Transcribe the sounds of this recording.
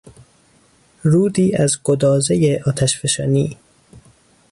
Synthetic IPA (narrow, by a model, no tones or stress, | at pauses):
ɾuːd̪iːæzɡ̥od̪ɒːzejeʔɒːt̪ʰæʃfeʃɒːniː